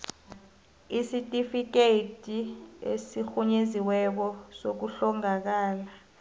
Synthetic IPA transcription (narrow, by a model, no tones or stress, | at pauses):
isitʼifik̬eitʼiḛsixuɲeziwɛk̬ɔsok̬uɬɔŋak̬aːla